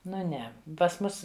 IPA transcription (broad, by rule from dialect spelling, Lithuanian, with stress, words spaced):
ˈnʊ ˈnʲɛ pɐs ˈmʊs